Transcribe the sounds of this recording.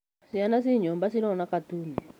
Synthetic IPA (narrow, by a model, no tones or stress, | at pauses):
sianas̬iɲɔmbasiɾɔnakatuːni